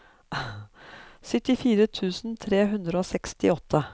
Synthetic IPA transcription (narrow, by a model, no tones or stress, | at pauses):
sœt̪ɪfiːɾət̪ʰʉːsn̩t̪ʰɾeːɦʉnd̪ɾəoːsɛkst̪ɪɔt̪ʰːə